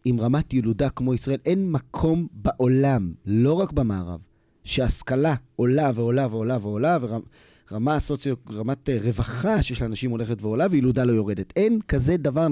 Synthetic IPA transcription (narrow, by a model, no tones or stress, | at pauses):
imʁamatjeludakmo̞isʁae̞lʔe̞nmakʰo̞mbaʔo̞lamlo̞ʁakbamaːʁa̰v | ʃeaskalao̞laveo̞laveolaveolaveʁa | ʁamaːsot͡sjoʁamatʁe̞vaχaʃejeʃlaːnaʃimo̞le̞χetveo̞lavejeludalo̞jo̞ʁe̞de̞tenkaze̞davaʁ